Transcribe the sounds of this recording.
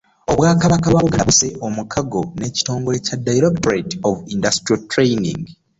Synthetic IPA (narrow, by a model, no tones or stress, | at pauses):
o̞βwaːkaβakaβaβuɡaβuse̞ʔomukʰaɡo̞ne̞ːci̥to̞ːŋɡo̞le̞cadajiɾektoɾetovindastɾiotɾejnḭ̃ŋɡ